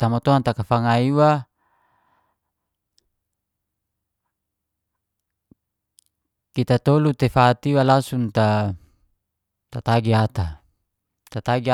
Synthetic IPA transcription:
t̪amɔt̪oant̪akafaŋaiwa | kit̪at̪olut̪efat̪iwalasunt̪a | t̪at̪aɡiat̪a | t̪at̪aɡia

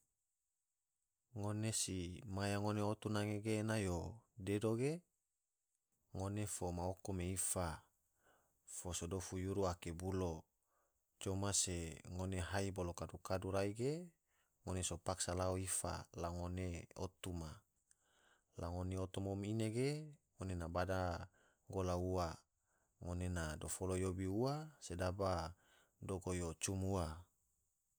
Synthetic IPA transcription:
ŋonesimajaŋoneot̪unaŋeɡenajodedoɡe | ŋonefomaokomeifa | fosodofujuɾuakebulo | t͡ʃomaseŋoneɦaibolokadukaduɾaiɡe | ŋonesopaksalaoifa̰laŋoneo̰t̪uma | laŋoneot̪umomineɡeŋonenabada | ŋɡolaua | ŋonenadofolojobiuasedaba | doɡojot͡ʃumua

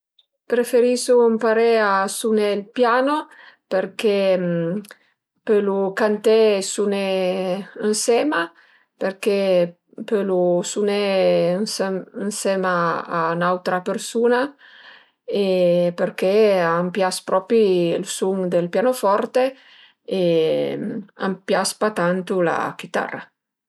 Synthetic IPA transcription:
pɾefeɾisompaɾeasunelpjaːno | peɾkem | pølukant̪esune | ənsɛːma | peɾke | pølusunensənsɛmaanawt̪ɾapeɾsuːna | epeɾkeaːmpjaspɾɔpilsuŋd̪elpjanofɔɾt̪e | e | a̰mpjaspat̪ant̪ula̰k̟it̪a̰rːa̰

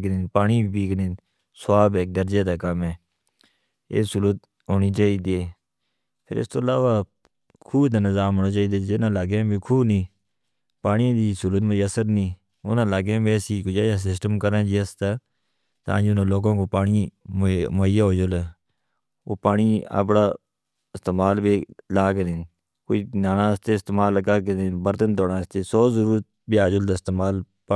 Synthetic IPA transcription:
knẽːpaːniːbibiːknẽːn | swaːbeːk̚d̪əɾd͡ʒeːd̪aːkəmẽː | ḛːsuːlət̪ | ɦoːniːt͡ʃaːiːd̪eː | pʰɪ̰ɾɪ̰st̪oːlaːʋaː | kʰuːbt̪aːnəzaːmɦoːnaːt͡ʃaːiːd̪eːd͡ʒɪnãːlaːɡẽːbʱiːkʰuːbnĩː | paːnĩːd̪iːsulət̪məd͡ʒəsəɾnĩː | ʊnãːlaːɡẽːbeːsiːkʊd͡ʒaːjaːs̬ɪsʈəmkəɾãːd͡ʒiːəst̪aː | t̪a̰ːd͡ʒʊnãːloːɡãːkoːpaːɳiː | moːɪjaːɦoːd͡ʒoleː | o̰ːpaːɳiːə̰p̬ɽaː | ɪst̪eːmaːlbeːlaːked̪en | koːiːnaːnãːst̪eːɪst̪eːmaːlkaːked̪ebəɾt̪ənt̪oːɽãːst̪eːsoːzəɾuːɾt̪̚biaːd͡ʒʊld̪aːɪst̪eːmaːl | p

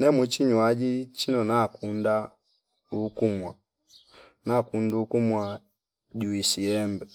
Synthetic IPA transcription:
nɛmwut͡ʃiɲwad͡ʒit͡ʃinɔnakunda | ukumwa | nakundukumwa | ɟuisiɛmbɛ

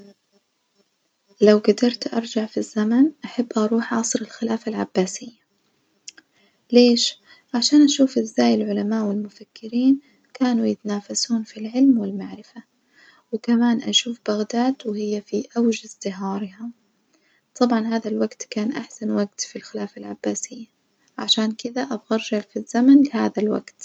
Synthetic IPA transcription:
lawɡad̪ɑɾˤt̪ʔɑ̰ɾˤd͡ʒaʕfizːamanʔaħabːʔɑɾˤuːħʕɑsˤɾɪlxɪlaːfalʕabːaːsɪjːa | leːʃ | ʕaʃaːnʔaʃuːfʔɪzːaːjɪlʕʊlamaːʔwɪlmʊfakːɪɾiːn | kaːnujɪt̪anaːfasuːnfilʕɪlmwɪlmaʕɾɪfa | wɪkamaːnʔaʃuːfbaɣd̪aːd̪wɪhɪjːafiʔawʒazt̪ɪɦɑːɾˤɪham | t̪ˤʰɑbʕɑnɦaːðalwaɡt̪kaːnʔaħsanwaɡt̪filxɪlaːfalʕabːaːsɪjːa | ʕaʃaːnkɪd̪aʔabɣɑɾˤʒalfizːamanlɪhaːðalwa̰ɡt̪

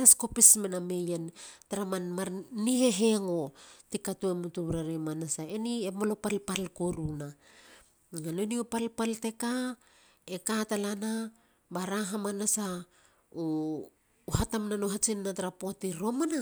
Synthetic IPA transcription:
asko̞pismename̞jentaɾamanmaɾniɦe̞ɦe̞ŋo̞tikatuemutuβɾaɾemanasae̞niemolo̞palpalkoɾuna | ŋano̞niopalpalte̞ka | ekatalana | baɾaɦamanasa | o | ɦatamnanoɦat͡ʃinːataɾapotiɾo̞mana

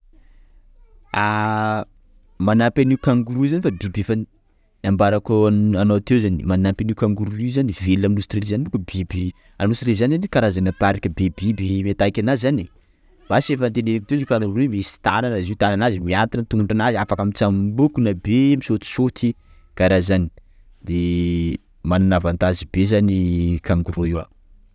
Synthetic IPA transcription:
a | manapʲaniukaŋɡuɾuzanifabibefani | ambaɾakoanawat̪ewzanḭmanampaniwkaŋɡuɾuluzanivelaminust̪rezanibukubibi | anusɾezanizanikaɾazanapaɾikʲəbebibimet̪ajkʲanaizani | basefant̪enekit̪ewziukaŋɡuɾuemisi̥t̪ananaziwt̪ananazimiant̪int̪uŋɡuɳɖ͡ʐanaziafakamit͡sambukunabemisot̪i̥sot̪i | kaɾazani̥ | d̪̥e | manunavant̪azibezanikaŋɡuɾoiwa̰

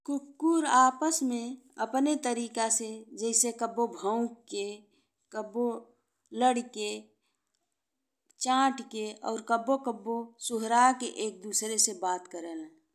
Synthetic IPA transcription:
kʊkːuɾaːpəsmẽəpnet̪əɾiːkased͡ʒɛɪsekəbobʱəʊ̃kkːe | kəbo | ləɽke | t͡ʃãːʈkeɔ̰ːɾkəbːokəbːosʊɦɾakeʔeːk̚d̪uːsɾesebaːt̪kəɾeːlɛ

